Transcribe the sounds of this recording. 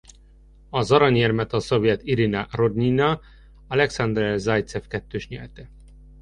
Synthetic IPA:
ɒzɒɾɒɲɛrmɛt̪ɒsovjɛt̪iɾinɑrod̪ɲinɒ | ɒlɛksɑnd̪rɛzɑjt̪sefkɛt̪ːøːʃɲɛ̰lt̪ɛ

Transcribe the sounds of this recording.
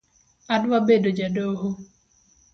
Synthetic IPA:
adwabedod͡ʒadoɦo

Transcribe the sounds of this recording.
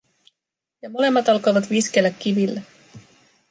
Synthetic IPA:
jɑmo̞le̞mːɑt̪ɑlko̞jʋɑt̪ʋiske̞lːækːiʋilːe

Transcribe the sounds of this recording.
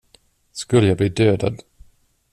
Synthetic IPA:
skɵlːəjabliːd̪øːd̪a̰d̪

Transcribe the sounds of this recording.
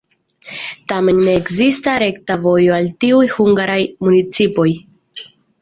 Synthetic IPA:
tame̞nne̞ːkzistaɾe̞ktavo̞jo̞altiujhuŋɡaɾajmunit͡sipo̞j

